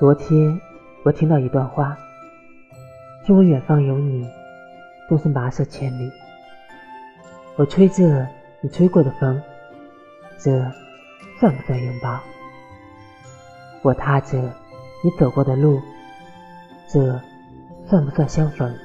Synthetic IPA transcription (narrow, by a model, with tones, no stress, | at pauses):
t͡swɔ˧˥t̪ʰjɛ˥n | wɔ˨˩t̪ʰi˥ŋt̪ɑ˥˩ʊi˧˥t̪wa˥˧nxwa˥˩ | t͡swu˥˩wɥɛ˨˩nfɑ˥ŋjo˧˥ʊni˨˩˦ | t̪ʊ˥ŋʂ̩˥ma˧˥ʂɤ˥˩t͡ɕʰjɛ˧˥nli˨˩˦ | wɔ˨˩t͡sʰwe˥ɪʈ͡ʂɤ˥˩ | ni˨˩t͡sʰwe˥ɪkwɔ˥˩d̪ə˩fɤ˧˥ŋ | ʈ͡ʂ̩˥˩ | fa˥˩npu˧˥sa˥˩ɥɛ˧˥npɑ˥ | wɔ˨˩t̪ʰa˥ʈ͡ʂ̩˥˩ | ni˧˥t͡so˨˩ʊkwɔ˥˩d̪ə˨lu˥˩ | ʈ͡ʂ̩˥˩ | fa˥˩nmu˧˩sa˥˩ɕjɑ˥ŋfə˧˥ŋ